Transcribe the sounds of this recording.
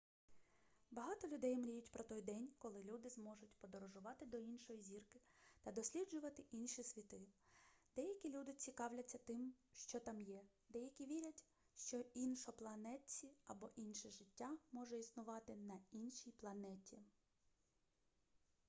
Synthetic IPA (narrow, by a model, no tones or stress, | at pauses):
bɐɦɑt̪ɔlʲʊd̪ɛjmɾʲijʊtʲpɾɔt̪ɔjd̪ɛnʲkɔlˠɪlʲud̪ɪzmɔʒʊtʲpɔd̪ɔɾɔʒʊʋɑt̪ɪd̪ɔinʃɔjizʲirkɪt̪ɐd̪ɔsʲlʲid͡ʒʊʋɐt̪ɪʔinʃisʲʋʲit̪ɪd̪̥ɛjɐkʲilʲud̪ɪt͡sʲikɑwlʲɐt͡sʲːɐt̪ɪmʃt͡ʃɔt̪ɑmjɛd̪ɛjɐkʲiʋʲiɾʲɐtʲ | ʃt͡ʃɔinʃɔplˠɐnɛt͡sʲiɐbɔʔinʃiʒɪtʲːamɔʒɛisnʊʋɑt̪ɪnɐinʃijplˠɐnɛtʲi